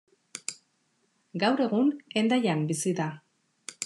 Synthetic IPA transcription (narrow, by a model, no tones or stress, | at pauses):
ɡawɾe̞ɣune̞nd̪ajambisiða